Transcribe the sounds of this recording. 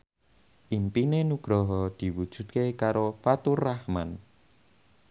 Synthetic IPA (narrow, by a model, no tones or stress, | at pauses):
ʔimpinenuɡ̥ɾɔɦɔd̪̥i̤wud̥ʒ̥ṳt̪̚kekaɾofat̪urahman